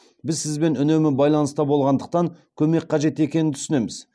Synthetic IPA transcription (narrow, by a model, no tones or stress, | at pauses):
bɪzsɪzbe̞nʏne̞mɪbɑjlˠɑnəst̪ɑbo̞lˠʁɑnd̪əq̚t̪ɑŋkʲʰɵme̞kqʰɑʒe̞t̪e̞kʲenɪnt̪ʰʏ̥sɪne̞mɪz